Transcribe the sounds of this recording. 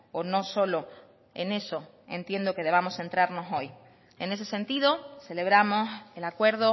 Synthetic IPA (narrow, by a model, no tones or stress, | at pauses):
ono̞so̞lo̞ | ḛne̞so̞ | ẽ̞̰nt̪je̞nd̪o̞ke̞ð̞e̞β̞amo̞sθe̞nt̪ɾaɾno̞so̞j | e̞ne̞s̬e̞se̞nt̪iðo̞se̞le̞β̞ɾamo̞selakwe̞ɾð̞o